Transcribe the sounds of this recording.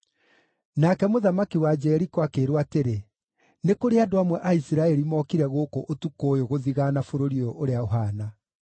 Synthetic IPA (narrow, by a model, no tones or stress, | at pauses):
nakɛmoðamakiwad͡ʒɛɾikwakeːɾwateɾe | nekoɾeadoamwɛʔaisiɾaɛɾimɔːkiɾɛɣokoʔotukoːjoɣoðiɣanafoɾoɾioʔoɾeaoɦana